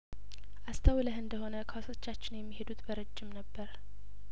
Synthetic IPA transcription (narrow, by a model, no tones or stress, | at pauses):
ʔast̪ʰəwləhɨnd̪əho̞nəkʰaso̞t͡ʃːat͡ʃːɪnjɛmːihe̞d̪ut̪bəɾɨd͡ʒːɪmnəbːəɾ